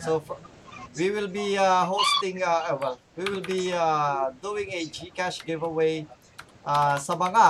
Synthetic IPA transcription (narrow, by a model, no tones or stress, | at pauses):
sof | wiwɪlbiaɦost̪ɪ̃ŋawɛl | wiwɪlˠbiad̪uɪ̃ŋɛd͡ʒikæʃɡɪvəweɪ | ʔasɐmaŋa